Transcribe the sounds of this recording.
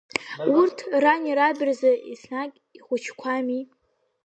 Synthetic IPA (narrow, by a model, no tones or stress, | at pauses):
urtʰranʲiɾabɨrzaʔisnakʲʼiχʷʊt͡ʃʰkʷʰami